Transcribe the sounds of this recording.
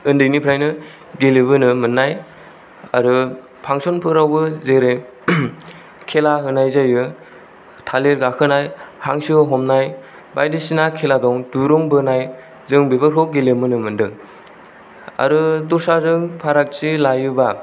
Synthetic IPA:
ɯndɯjnipʰɾajnɯ | ɡelɯbɯnɯmɯnːaj | a̰ɾɯ | pʰaŋsɔnpʰɯɾawbɯzeɾe | kʰelaɦɯnajzajɯ | tʰaleɾɡakʰɯnajhaŋsɯɦɔmnaj | bajdisinakʰeladɔŋduɾɔŋbɯnaj | zɯŋbebɯɾɦɔɡelɯmɯnɯmɯndɯŋ | a̰ɾɯduɾsazɯŋpʰaɾak̚t͡ʃilajɯba

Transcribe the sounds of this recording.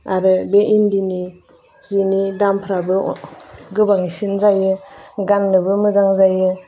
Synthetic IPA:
aɾɯbeʔindini | zinidampʰɾabɯ̰ | ɡɯbaŋisinzajɯɡanːɯbɯmɯzaŋzajɯ

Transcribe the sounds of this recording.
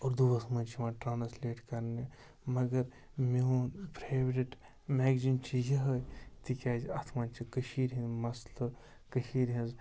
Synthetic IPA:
oːɾd̪ubɐsmɐnt͡ʃʰimãːʈɾaːnsleːʈkɐɾne | mɐɡɐɾ | meɦonpɾaːʋɾeʈ | meːɡzint͡ʃʰijɐɦɐjt̪ikʲaːd͡ʒɐt̪ʰmãːnt͡ʃʰikɐʃiːɾɦĩnmɐslɐ | kɐʃiːɾɦɐ̃nz

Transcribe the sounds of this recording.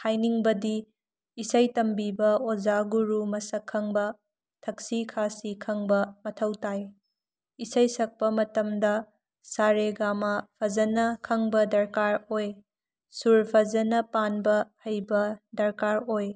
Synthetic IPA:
hʰajniŋbɐdiː | sɐjtɐmbibɐod͡ʒaɡuɾumɐsɐkʰːɐŋbɐ | tʰɐk̚sikʰasikʰɐŋbɐmɐtʰɐwtaj | isɐjsɐk̚pɐmɐtɐmdɐ | saɾeɡamɐpʰɐzɐnɐkʰɐŋbɐdɐɾkaɾoj | suɾpʰɐzɐnɐpanbɐhɐjbɐdɐɾkaɾoj

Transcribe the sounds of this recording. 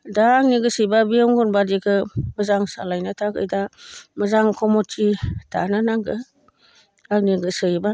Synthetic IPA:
daːŋ̚niɡɯsɯjbabijɔŋɡunbadikʰɯmɯzaŋsa̰lajnatʰaɡɯ̰jdamɯzaŋkʰɔmɔtʰita̰nanaŋɡɯ | ak̚niɡɯsɯjba

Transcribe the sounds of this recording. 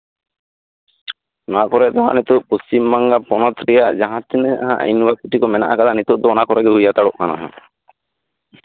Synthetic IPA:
nakɔɾɛt̪ɔɦã̰nit̪uʔpustimːaŋɡapɔnɔt̪ɾɛjaʔd͡ʒaɦãt̪ʰinɛʔaɦãʔa̰jnwakuʈikɔmɛna̰ʔakad̪anit̪uʔd̪ɔɔnakɔɾɛɡɛɦujat̪aɽɔʔkana̰ɦã̰

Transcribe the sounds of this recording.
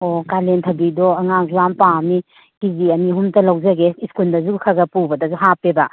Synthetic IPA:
okalentʰɐbidɔɐŋaŋɾampami | kiziɐniɦumtɐlɐwzɐɡeiskuldɐzuɡkʰɐɡɐpubɐdɐzuɦapebɐ

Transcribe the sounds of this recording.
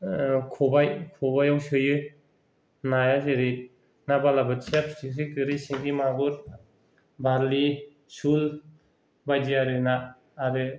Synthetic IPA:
kʰɔbajkʰɔbajawsɯjɯ | najazeɾit̚ | nabalabɯt͡ʃapsis̬ikɯɾisiŋɡimaɡuɾ | bʱaɾli | sul | bajd͡ʒiaɾɯnaː | ɾɯ

